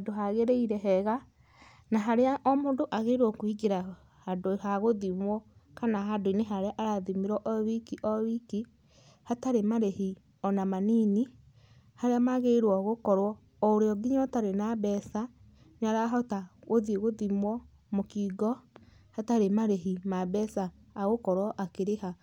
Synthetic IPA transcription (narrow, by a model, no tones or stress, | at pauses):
adoɦaɣeɾeiɾɛɦɛɣa | naɦaɾeaʔɔmoːndoʔaɣeɾwɔkoiɡeɾa | hadohaɣoðimwɔ | kanaɦadoineɦaɾeaʔaɾaðimeɾwɔʔɔβikiʔɔβiki | hataɾemaɾehi | ɔnamanini | haɾeamaɣeɾwɔɣokɔɾwɔː | oɾeɔɡiɲɔtaɾenabɛsa | ɲaɾaɦɔtaɣoðeɣoðimwɔ | mokiːɡɔ | hataɾemaɾeɦimabɛsaː | ɣokɔɾwɔʔakeɾeha